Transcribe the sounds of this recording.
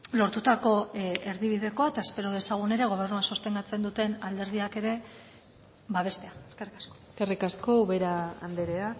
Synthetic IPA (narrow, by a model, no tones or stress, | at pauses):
lo̞ɾt̪ut̪ako̞e̞ɾðiβ̞iðe̞ko̞aet̪ae̞spe̞ɾo̞ð̞e̞saɣ̞une̞ɾe̞ɣ̞o̞β̞e̞rnuasost̪e̞ŋɡat͡se̞nd̪ut̪e̞nald̪e̞ɾð̞iake̞ɾe̞ | βaβ̞e̞st̪e̞aeskerikasko̥skerikasko̞uβe̞ɾaa̰nd̪eɾea